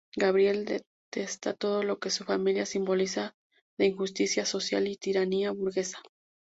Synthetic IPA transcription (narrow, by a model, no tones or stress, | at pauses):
ɡaβ̞ɾje̞ld̪e | t̪e̞st̪a̰t̪o̞ðo̞lo̞ke̞sufamiljasimbo̞lisa | ðeinxust̪isjaso̞sja̰lit̪iɾaniaβuɾɣe̞sḁ